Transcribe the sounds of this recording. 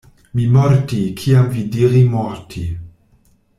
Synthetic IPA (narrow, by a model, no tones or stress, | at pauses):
mimɔɾtikʰiamvidiʁimɔʁtʰi